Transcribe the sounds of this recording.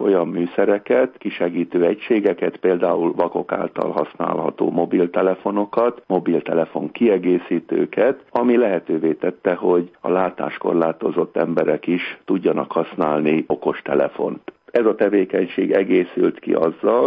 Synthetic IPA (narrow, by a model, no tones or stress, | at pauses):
o̞jɒmːyːsɛɾɛkɛt̪kiʃɛɡiːt̪øːɛcʃeːɡɛkɛt̪peːld̪aːulvɒko̞ka̰ːlt̪ɒ̰lɦɒsna̰ːlɦɒ̰t̪o̰ːmo̞bilt̪ɛlɛfo̞no̞kɒt̪mo̞bilt̪ɛlɛfo̞ŋkiɛɡeːsiːt̪ø̰ːkɛt̪ɒmilɛɦɛt̪øːveːt̪ɛt̪ːɛɦo̞ɟɒ̰laːt̪a̰ːʃko̞̰rlaːt̪o̞zo̞t̪ːɛmbɛɾɛkiʃt̪uɟːɒnɒkhɒsnaːlnio̞ko̞ʃt̪ɛlɛ̰fo̞nt̪ɛzɒt̪ɛveːkɛɲʃḛːɡɛɡeːsylt̪kḭʔɒzːɒl